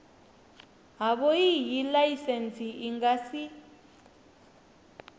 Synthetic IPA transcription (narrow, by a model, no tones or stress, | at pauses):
ɦaβɔjijilajisensʰiʔiŋɡasi